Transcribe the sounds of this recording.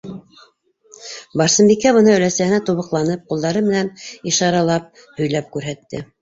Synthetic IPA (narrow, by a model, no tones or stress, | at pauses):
bɑɾsɤ̆mbikːæβɤ̆nɤɵ̆læsæhɘ̆næt̪uβɤ̆qlˠɑnɤp̚qulˠd̪ɑɾɤmɘ̆næniʃɑɾɑlˠɑp̚ | hɵ̆jlæp̚kʉɾɦæt̪ːɘ̰